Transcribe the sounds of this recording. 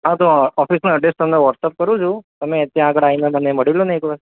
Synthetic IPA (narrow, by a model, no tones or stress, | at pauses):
ɦãt̪oɔfisnuəɖesʈt̪əmneʋɔʈsəp̚kəɾũt͡ʃʰũt̪əmet̪jãəɡəɽainaməneməɽilunajkʋa